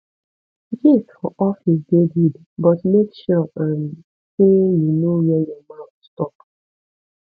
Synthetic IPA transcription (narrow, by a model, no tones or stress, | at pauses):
d͡ʒiffɔʔɔfisdedid | bɔtmekʃɔãn | sejunowɛjɔmãʊtstɔp